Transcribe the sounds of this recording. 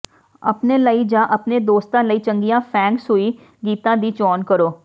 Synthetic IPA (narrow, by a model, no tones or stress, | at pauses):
ə̰pneːləiːd͡ʒãːʔəpneːd̪oːst̪ãːləiːt͡ʃəŋɡijãːpʰɛ̃ːŋksɦʊiː | ɡiːt̪ãːd̪iːt͡ʃɔːnkəɾoː